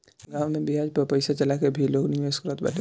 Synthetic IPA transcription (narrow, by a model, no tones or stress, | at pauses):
ɡãːwmebiɦad͡ʒpɐɾpəɪsat͡ʃɐlakebʱiloːɡnijoskɾət̪̚ba̰t̪e